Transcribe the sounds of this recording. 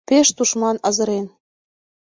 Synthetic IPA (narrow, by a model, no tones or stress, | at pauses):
peʃt̪uʃmɑnɑzɤ̆ɾen